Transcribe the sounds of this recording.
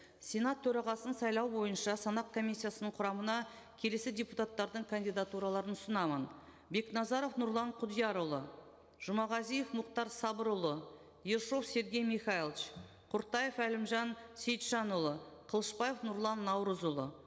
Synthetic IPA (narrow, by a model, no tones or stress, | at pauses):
sʲe̞nat̪ʰːɵɾɑʁɑsənsɑjlˠɑwbo̞jənʃɑsɑnɑq̚kʰo̞misʲːijasənəɴqʰʊɾɑmənɑ | kʲʰe̞le̞sɪdʲeput̪ɑt̪ːɑɾd̪əɴkʰanʲd̪ʲijd̪at̪uɾɑlˠɑɾənʊsənɑmən | be̞knɑzɑɾo̞fnʊɾlˠɑɴqʰʊd̪ijɑɾʊlˠə | ʒ̥ʊmɑʁɑzijefmʊqt̪ɑɾsɑbəɾʊlˠə | jeɾʃo̞fse̞ɾɡʲe̞jmiχɑilˠt͡ʃ | qʰʊɾt̪ɑje̞fælɪmʒɑnsʲe̞jt̪ʃɑnʊlˠəqʰəlˠəʃpɑjefnʊɾlˠɑnːɑwɾəzʊlˠə